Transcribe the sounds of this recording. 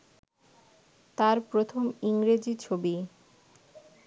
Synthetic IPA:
t̪aɾpɾot̪ʰomiŋɾed͡ʑit͡ɕʰobi

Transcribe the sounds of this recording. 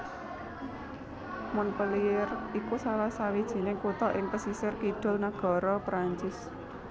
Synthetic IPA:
mʊnpəliɪrikusalahsawid̥ʒ̥i̤nɪŋkut̪ɔʔɪŋpəsisɪrkiɖ̪̥ɔ̤lnaɡ̥a̤ɾɔpɾaɲt͡ʃɪs

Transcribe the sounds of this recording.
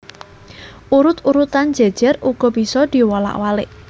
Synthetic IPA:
ʔuɾʊt̪uɾut̪an̥d͡ʒ̥e̤d̥ʒ̥ɛruɡ̥ɔ̤b̥i̤sɔd̪̥iwɔla̰ʔwalɪʔ

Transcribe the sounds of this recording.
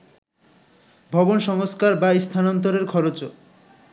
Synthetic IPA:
bʱɔbonʃɔŋoskaɾbaist̪ʰanɔnt̪oɾeɾkʰɔɾot͡ɕo

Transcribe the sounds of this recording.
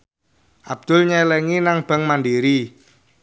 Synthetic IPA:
ʔab̚d̪̥ʊ̤lɲɛlɛŋinaŋb̥ə̤ŋmanɖiɾi

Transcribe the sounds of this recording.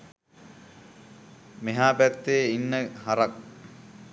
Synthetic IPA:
meɦaːpæt̪ːeːinːəhaɾɐk̚

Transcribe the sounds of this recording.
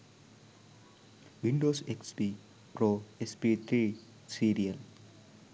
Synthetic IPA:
ʋĩɳɖoːseksbiː | pɾoːespit̪ʰɾiː | siːɾiəl

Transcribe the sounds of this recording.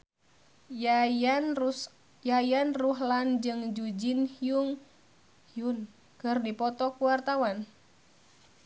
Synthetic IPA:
jajanruɦland͡ʒɨŋd͡ʒud͡ʒinhuŋ | hiun | kɨrdipɔt̪ɔkuwart̪awan

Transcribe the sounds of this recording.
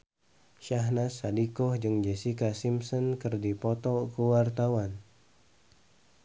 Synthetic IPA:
ʃaɦnasadikɔhd͡ʒɨŋd͡ʒɛsikasimsɔnkɨrdipɔt̪ɔkəwart̪awan

